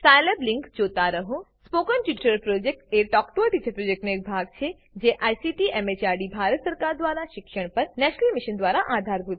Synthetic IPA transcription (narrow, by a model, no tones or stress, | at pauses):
sajlebliŋkd͡ʒot̪aɾəɦũspokənʈiʈɾəlpɾod͡ʒek̚ʈeʈɔkʈot̪it͡ʃʰəpɾod͡ʒek̚ʈnoek̚bʱaɡ̚t͡ʃʰe | d͡ʒeʔajsiʈiʔɛmet͡ʃaɾɖibʱaɾət̪səɾkaɾd̪ʋaɾaʃɪkʃəɳ̃pəɾnɛʃnəlmiʃənd̪ʋaɾaʔad̪ʱaɾbʱud̪